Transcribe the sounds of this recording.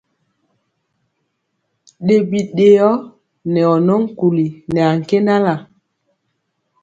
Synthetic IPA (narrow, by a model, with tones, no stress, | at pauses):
ɗe˨bi˨ɗe˨jɔ˦ | nɛ˨ɔ˨nɔ˦ŋ˦ku˨li˨nɛ˨a˨ŋ̩˨ke˦nda˦la˨